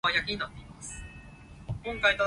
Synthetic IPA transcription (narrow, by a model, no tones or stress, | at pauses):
ajakʲiɲ̟inat̪ːe̞imasɨ̥ | kõ̞ŋkait̪a